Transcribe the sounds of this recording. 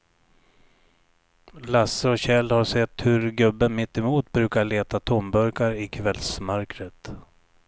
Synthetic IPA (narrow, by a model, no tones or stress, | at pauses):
lasːəɔɕɛlːhaʂɛt̪ːhɵɾɡɵbːənmɪt̪ːɪmuːt̪bɾʉ̟ːkaɭeːt̪at̪ʰɔmbœɾkaɾɪkʰvɛlsmœɾkɾət̪